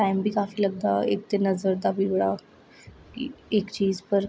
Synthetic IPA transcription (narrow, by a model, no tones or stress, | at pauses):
ʈaimbʱiːkafiːləɡ̚d̪aek̚t̪enəd͡zəɾd̪abiʋɭa | iekt͡ɕiːd͡zpəɾ